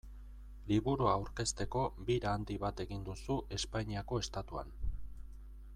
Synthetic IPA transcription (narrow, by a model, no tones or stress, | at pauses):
liβuɾuaawɾke̞st̪e̞ko̞biɾaːnd̪iβat̪e̞ɣind̪usuʔe̞spaɲiako̞e̞st̪at̪ua̰n